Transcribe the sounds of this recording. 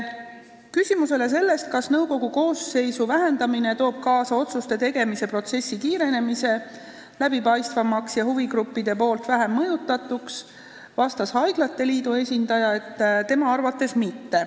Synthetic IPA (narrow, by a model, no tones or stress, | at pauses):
kysʲimuse̞le̞s̬e̞lːe̞st̪̚kɑsnɤwko̞ɡ̥uko̞ːsːe̞jsuvæɦe̞nd̪ɑmine̞t̪o̞ːb̥̚kɑːsɑo̞t̪sust̪e̞t̪e̞ɡ̥e̞mise̞pro̞t̪se̞sʲːikiːɾe̞ne̞mise̞ | læb̥ipɑjst̪vɑmːɑksjɑhuviɡɾupːid̪e̞po̞ːlt̪væɦemːɤjut̪ːˑɑt̪ːˑuks | vɑst̪ɑshɑjɡ̥lɑt̪ːe̞liːd̪ue̞sʲind̪̥ɑjɑe̞t̪ːt̪e̞mɑɑrvɑt̪ːˑe̞smit̪ːe̞